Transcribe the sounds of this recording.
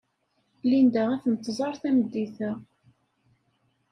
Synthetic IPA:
lind̪æʁæθənt̪ːzˤɑɾˤθæməd̪ːiθæ

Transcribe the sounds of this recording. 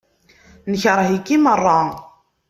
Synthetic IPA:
nəçɾˤɦikːimərˤːɑ

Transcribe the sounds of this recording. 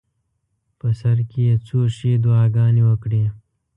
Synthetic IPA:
pəsɐɾkeet͡soːʂed̪uɑːɡɑːniwəkɽeː

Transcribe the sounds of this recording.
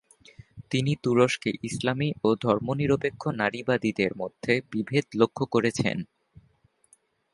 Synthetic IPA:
t̪init̪uɾoʃkeʔislamiʔod̪ʱɔɾmoniɾopekʰːonaɾibad̪id̪eɾmod̪ʱːebibʱed̪lokʰːokoɾet͡ɕʰḛn

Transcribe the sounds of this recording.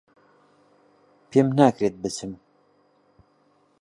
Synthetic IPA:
pʰemnaːkɾet̪̚bɨt͡sɨm

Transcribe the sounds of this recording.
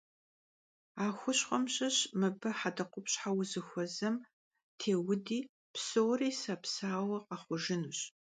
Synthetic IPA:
aːxʷʊɕχʷɔmɕʼɐɕmɨbɐħadɐqʷʊpɕħawzɨxʷɔzɐm | tʰeːwʊdiː | psoːriːsapsaːwɐqɐχʷʊʒɪnuːɕ

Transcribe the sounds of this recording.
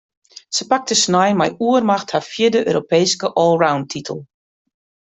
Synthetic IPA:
səpak̚təsnajmɛjuərmaxthafjɪdəʔø̰ːɾopeːskəʔɔlˠrawntʰitʰəl̩ˠ

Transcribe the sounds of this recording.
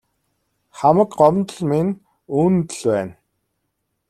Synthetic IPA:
χamə̆kɢɔmt̪ɞ̆ɮmin | uːnt̪ə̆ɮpæːn

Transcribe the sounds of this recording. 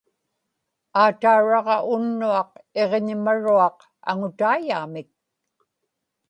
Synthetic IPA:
aːt̪auɻɑʁɑʔʊnːuɑq̚e̞ʁeɲɪmaɻuɑq | a̰ŋʊt̪aːjaːmɪk̚

